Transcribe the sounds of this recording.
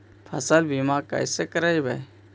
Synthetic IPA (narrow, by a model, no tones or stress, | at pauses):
pʰəsəlbimakə̰jsekəɾajbə̰j